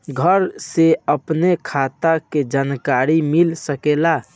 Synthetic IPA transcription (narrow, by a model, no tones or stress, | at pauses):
ɡʱəɾseəpnekʰat̪aked͡ʒankaɾimilsəkela